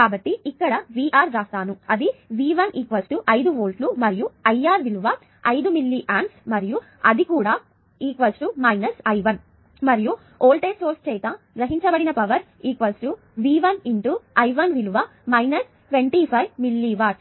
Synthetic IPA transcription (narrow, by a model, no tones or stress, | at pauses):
kaːbɐʈːiːkːɐɽɐʋiːʔaːɾɾaːst̪aːnuɐd̪iʋiːʋɐniːkʋɐsʈuʔɐjd̪uʋoːlʈlumɐɾijuɐjaːɾʋiluʋɐ | ɐjd̪umilːiʔaːɳʈsmɐɾiju | ɐd̪ikuːɽaː | iːkʋɐsʈumɐjnɐsɐjʋɐn | mɐɾiju | oːlʈeːsoːɾst͡ʃɛːjt̪a | ɡɾɐɦiɲt͡ʃɐbɐɽinɐpɐʋɐɾ | iːkʋɐsʈu | ʋiːʋɐniɳʈuɐjʋɐnʋiluʋɐ | mɐjnɐs | ʋeɳʈipʰɐjʋmilːiʋaːʈ